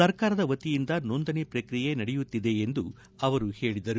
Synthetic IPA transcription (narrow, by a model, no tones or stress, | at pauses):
ɐɾkaːɾɐd̪ɐʋɐt̪ːijind̪ɐnoːnd̪ɐnepɾɐkɾijenɐɽɛjut̪ːid̪e̞nd̪u | ɐʋɐɾuhe̞ːɭid̪ɐɾu